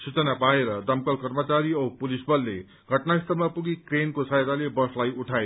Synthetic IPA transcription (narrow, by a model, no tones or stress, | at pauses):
sut͡sʌnapaeɾʌd̪ʌmkʌlkʌrmʌt͡saɾiʌpulisbʌlːḛ | ɡʱʌʈnaist̪ʌɾmapuɡikrenkosajt̪alebʌslajuʈʰae